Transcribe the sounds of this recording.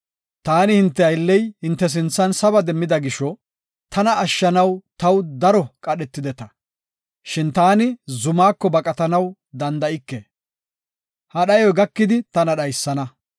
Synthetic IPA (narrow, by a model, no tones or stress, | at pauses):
t̪aːnɪhɪnt̪ːɛɐjlːɛjhɪnt̪ːɛs̬ɪnt͡sːɐnsɐbɐd̪ɛmːɪd̪ɐɡɪʃɔ | t̪ʰɐnɐːʃːɐnɐwt̪ɐwd̪ɐɾɔkʼɐɗɛt̪ːɪd̪ɛt̪ɐ | ʃɪnt̪aːnɪzʊmaːkːɔbɐkʼɐt̪ɐnɐw | d̪ɐnd̪ɐɪkːɛ | hɐɗɐjɔjɡɐkːɪd̪ɪt̪ɐnɐɗɐjsːɐnɐ